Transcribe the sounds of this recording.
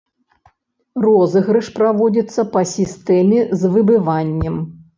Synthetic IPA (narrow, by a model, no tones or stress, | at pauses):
rɔzɨɣɾɨʂpɾavɔd͡zʲit̪sːɐpɐsʲist̪ɛmʲɛzvɨbɨvanʲːɛm